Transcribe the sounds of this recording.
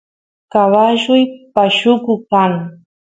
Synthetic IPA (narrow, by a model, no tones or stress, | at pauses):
kawaʃʊjpaʃʊkʊkaŋ